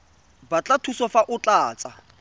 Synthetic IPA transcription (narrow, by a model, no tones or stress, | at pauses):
bat͡ɬʼatʰusɔfaʔʊt͡ɬʼaːt͡sʼa